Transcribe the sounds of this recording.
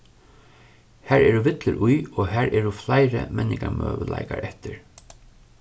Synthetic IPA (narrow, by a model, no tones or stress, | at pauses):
hæɾɛːɾuʋɪt̪lɪɾʔʊjɔːɦæɾʔɛːɾuflajɾə̰mɛnːɪŋkamœːʋəlajkaɾʔɛht̪ɪɹ